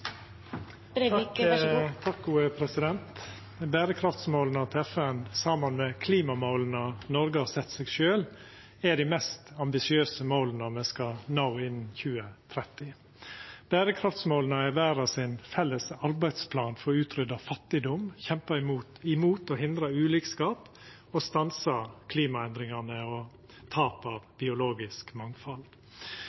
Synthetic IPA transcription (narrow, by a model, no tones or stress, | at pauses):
t̪ʰɑk̚ɡuːəpʰɾɛsɪd̪ɛnt̪ | bæːɾəkʰɾɑft̪smoːlnət̪ʰɛfɛnsɑːmɑnmɛkʰliːmɑmoːlnənɔɾɡəhɑsɛt̪ːseːɡʃøːl | æɖɪmɛst̪ɑmbɪsɪøːsəmoːlnəɔmɛskɑnɑʊɪnːçʉːət̪ʰɾɛt̪ːɪ | b̥æːɾəkʰɾɑft̪smoːlənəɪʋæːɾɑsɪnfɛlːəsɑɾbæɪd̪spʰlɑːnfɔɾʉːt̪ʰɾʏd̪ɑfɑt̪ːɪd̪ɔmçɛmpɑɪmu | ɪmuːt̪ɔɦɪnd̪ɾɑʉːliːkskɑːp | ɔst̪ɑnsɑkʰliːmɑɛnd̪ɾɪŋɑnəɔ | t̪ʰɑːpɑʋbɪʊloːɡɪskmɑŋfɑld̪